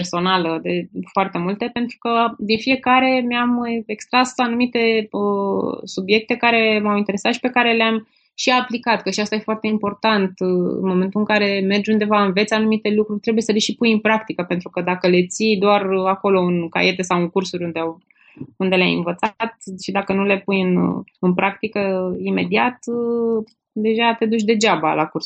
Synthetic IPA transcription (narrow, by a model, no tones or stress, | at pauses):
perso̞naləd̪e̞foart̪e̞mult̪e̞pe̞nt̪ɾukəd̪infie̞kaɾe̞meame̞kst̪ɾasanumit̪e̞əsubje̞k̚t̪e̞kaɾe̞mawint̪e̞ɾe̞sat̪ʃi̥pe̞kaɾe̞leam | ʃiaplikat̪kəʃiast̪aje̞foart̪e̞impo̞rt̪ant̪ɨ̰nmo̞me̞nt̪uɨŋkaɾe̞me̞rd͡ʒʲund̪e̞vaɨnvet̪sanumit̪e̞lukɾurʲt̪ɾe̞bujesəle̞ʃipujɨnpɾakt̪ikəpe̞nt̪ɾukəd̪akəle̞t̪sid̪oarako̞lo̞ɨnka̰je̞t̪esawɨŋkursuɾʲund̪eaw | und̪e̞lea̰jɨ̰nvət̪sat̪̚ʃid̪akənule̞pujɨnɨnpɾʔak̚t̪ikəime̞d̪iat̪ | d̪e̞ʒat̪e̞d̪ut͡ʃ̬ʲd̪e̞d͡ʒabala̰kurs